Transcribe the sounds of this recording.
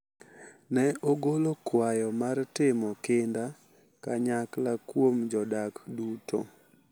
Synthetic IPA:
nɛʔoɡolokwajɔmartɪmɔkɪnda | kaɲaklakwomd͡ʒɔdakduto̰

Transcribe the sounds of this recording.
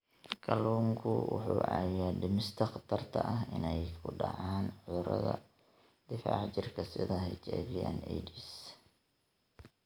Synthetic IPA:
kʰɐluːŋkʰʊwʊħuːʔɑjaːɖɪmɪst̪ʰɐqt̪ʰɐrt̪ʰɐ̰ʔɐɦɪnɛjkʰʊɑ̰ʕɑːnʕʊʊɾɐðɐ̰ | d̪̥ɪfɑːʕt͡ʃɪrkʰɐsɪðɐɦɪt͡ʃaːβɪjaːnɛjd̪is

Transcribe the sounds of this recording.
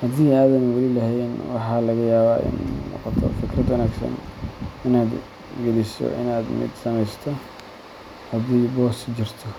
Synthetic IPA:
hɐd̪iːaːðɐmwɐlilɐɦɛjnwɑħɑːlɐɣɐjaːβaːʔɪ̰nnɔ̰ːqɔt̪ʰɔ̰fɪkrɐd̪wɐnaːɡsɐ̰nɪnaːd̪ | ɡɐlɪsɔ̰ʔɪ̰naːd̪mɪ̰d̪sɐmɛjst̪ʰɔ | hɐd̪ɛjbɔːst͡ʃɪrt̪ʰɔ

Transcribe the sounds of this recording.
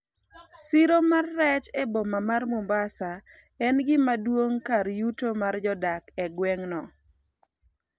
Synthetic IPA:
sɪɾomarːɛt͡ʃɛbɔmamarmumbasa | ɛnɡɪmadwoŋkaɾjutomard͡ʒɔdakɛɡwɛŋnɔ

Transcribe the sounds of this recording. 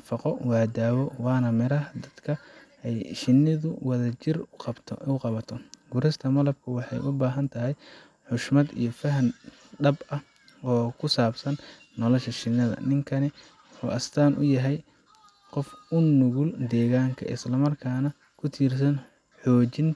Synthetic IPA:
fɑqɔwaːd̪aːwɔwɑːnɐmɪɾɐɦɐd̪ɐd̪kʰɐ | ɛjʃɪnːɪðʊwɐðɐt͡ʃɪrqɑbt̪ʰʊqɑβɐt̪ʰɔɡʊɾɪst̪ʰɐmɐlɐb̚kʰʊwɑħɑ̰jʔʊbaːɦɐnt̪ʰɐɦɛj | ħʊʃmɐd̪ḭjɔfɐɦɐn | ɖɐbɐh | ɔːkʰʊsaːbsɐnː | ɔlɔʃɐʃɪnːɐðɐ̰nɪŋkʰɐnɪ | ħṵːʔɐst̪ʰaːnʔʊjɐɦɛj | qɔfʊnːʊɣʊld̪ɛːɣaːŋkʰɐ̰ʔɪ̰slɐmɐrkʰaːnɐ | kʰʊt̪ʰiːrs̬ɐn | ħɔːt͡ʃɪn

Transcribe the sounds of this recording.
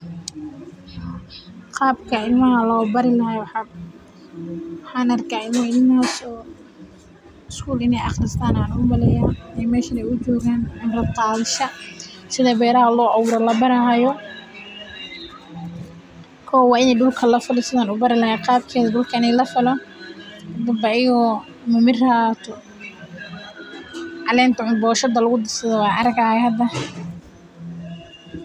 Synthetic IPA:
qɑːbkʰɐɪlmɐɦɐlɔːbɐɾɪlɐɦɛwɑ | wɑħɑːnɐrkʰaːɪlmɐɪlmaːsɔː | ɪskʰuːlɪnɛjɑχrɪst̪ʰaːnaːnʊmɐlɛjaːnɛjmɛːʃɐnɛjʊt͡ʃɔːɣaːnɐrɐd̪qɑːðʃɐsɪðɐbɛːɾɐɦɐlɔːʔɑwʊɾɔlɐbɐɾɐɦajɔ | kʰɔwɑːɪnɛɖʊlkʰɐlɐfɪlsɪðaːnʊbɐɾɪlɐhɛːqɑːbkʰɛːðɐɖʊlkʰɐɪnɛjlɐfɪlɔhɐd̪ɐbɐʔɪjɔ | mɐmɪrɐːt̪ʰɔ | ʕɑlɛːnt̪ɐʕʊnbɔːʃɐd̪ɐlʊɣʊd̪ɪsɐðɔwɑːʕɑɾɐɡaːhɛhɐd̪ɐ

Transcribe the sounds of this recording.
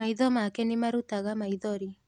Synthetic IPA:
aiðɔmakɛnimaɾutaɣamaiðɔɾi

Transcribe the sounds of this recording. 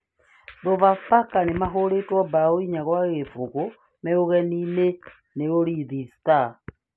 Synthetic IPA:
ðovafakanemaɦoɾetwɔbaoiɲaɣwaɣefoɣo | mɛoɣɛnine | neoɾiðista

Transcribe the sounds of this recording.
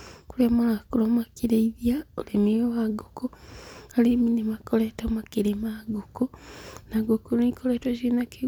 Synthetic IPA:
kulemakulomakiɾeiðjaolemiowaɡokoaliminimakoletomakiɾemaɡokonaɡokonikoletoʃinaki

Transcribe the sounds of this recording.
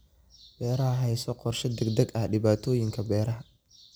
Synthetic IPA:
b̥ɛːɾɐɦɐɦɛjsɔqɔrʃɐd̪ɛɡd̪ɐɡɐhɖɪβaːt̪ʰɔːjɪŋkʰɐbɛːɾɐɦɐ

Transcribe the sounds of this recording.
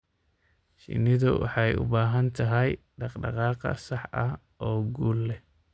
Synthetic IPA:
ʃɪ̰nɪðʊwɑ̰ħɑjʊ̰baːɦɐnt̪ʰɐɦɛj | ɖɑqɖɑ̰qɑːqɐ̰sɑħɐh | ʔɔːɡuːlːɛ

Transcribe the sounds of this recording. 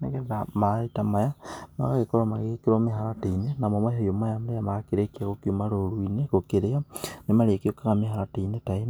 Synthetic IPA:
nekeðamaɾetamajama̰ɣaɣekoɾomaɣekeɾomeɦaɾatenenamomajajomajamaɾejamakeɾekeakokiumaɾoɾuinekokeɾeanemaɾeekeokaɣameɦaɾateinetaen

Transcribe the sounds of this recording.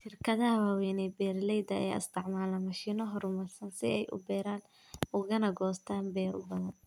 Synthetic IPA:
ʃɪrkʰɐðɐhɐwaːwɛːnɛbɛːrlɛjd̪ɐɐ̰ja̰ːɪ̰st̪ʰɪʕmaːlɐmɐʃiːnɔɦɔrmɐrsɐnsɪɛjʔʊ̰bɛːɾaːn | ʊɣɐnɐɡɔːst̪ʰaːnbɛːɾʊ̰bɐðɐn

